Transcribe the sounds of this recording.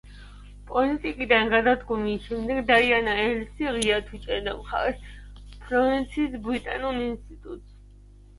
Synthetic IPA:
pʼɔlit̪ʼikʼid̪anɡad̪ad̪ɡumiʃɛmd̪ɛɡd̪aianaɛlsiʁiat̪ʰwit͡ʃʼɛd̪amχa̰ɾɛspʰɾɔvint̪sʰiːsbɾit̪ʼanuninst̪ʼit̪ʼut̪ʼs

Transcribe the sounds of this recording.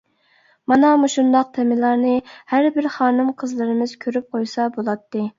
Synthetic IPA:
mɑnɑmuʃund̪ɑq̚t̪ʰɛmɪlˠɑɾnɨhæɾbɪɾχɑːnɨmqʰəzlˠɨɾɨmɪz̥kʲʰøɾyp̚qʰojsɑbolˠɑt̪ːɨ

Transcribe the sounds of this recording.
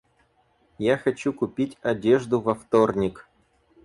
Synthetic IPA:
jaxɐt͡ɕukupʲitʲɐdʲeʐd̪uvɐft̪ornʲik

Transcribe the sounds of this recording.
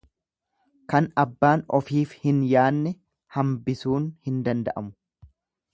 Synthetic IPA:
kɐnɐbːaːnɔfiːfhɪnjaːnːɛ | hɐmbɪsuːnhɪnd̪ɐnd̪ɐ̰ʔɐmʊ̥

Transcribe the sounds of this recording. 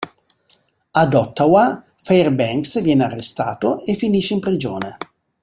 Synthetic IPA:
ad̪ɔt̪ːawa | fɛjrbɛŋksvjɛːnearːest̪aːt̪oefːiniʃeimpɾid͡ʒoːne

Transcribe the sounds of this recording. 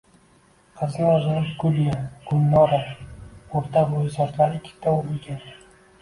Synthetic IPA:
qʰɑzɪɒzaɾɪpɡʊljaɡ̥ʊnːɒɾa | oɾt̪ʰabojɪsaɾt̪laɾɪkʲʰɪ̥t̪ʰːaolɪɡʲan

